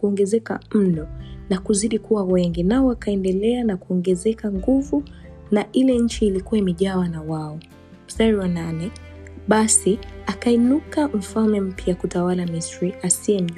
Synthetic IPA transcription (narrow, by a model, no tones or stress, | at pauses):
kuɔŋɡɛzɛka̰m̩nɔnakuziɗikuwawɛŋɡinaɔwakaɛndɛlɛanakuɔŋɡɛzɛkaŋɡuvu | naʔilɛɲ̩t͡ʃiːlikuwaimɛʄawanawaɔ | staɾiwananɛ | ɓasiakainukaɱ̩falmɛm̩pjaakutawalamistɹiasiɛm